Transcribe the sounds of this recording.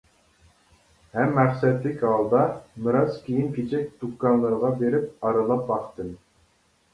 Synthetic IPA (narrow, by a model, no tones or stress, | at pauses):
hɛmːæχsɛt̪ːɪkʲhɑlˠd̪ɑmɨɾɑzkʲʰejinkʲʰet͡ʃʰɛk̚ʲd̪̥ukːɑnlˠɨɾʁɑbeɾɪp̚ɑɾɨlˠɑp̚bɑχt̪ɨn